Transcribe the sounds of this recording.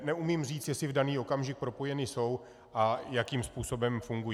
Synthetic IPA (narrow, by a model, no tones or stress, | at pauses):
nɛumimr̝iːt͡sjɛsɪvdaniːo̞kamʒɪk̚pɾo̞po̞jɛnɪso̞w | ʔajakiːmspuːso̞bɛmfuŋɡuj